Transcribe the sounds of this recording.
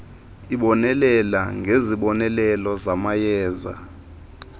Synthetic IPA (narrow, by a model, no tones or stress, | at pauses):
iɓɔnɛlɛlaŋʱeziɓɔnɛlɛlɔzamajɛːza̰